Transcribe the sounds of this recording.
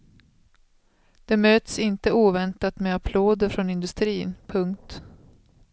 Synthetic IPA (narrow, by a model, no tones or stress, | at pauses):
d̪̥ɛmøːt̪sɪnt̪əuːvɛnt̪at̪meapʰloːd̪əɾfɾɔnɪnd̪ɵst̪ɾiːnpʰɵŋkt̪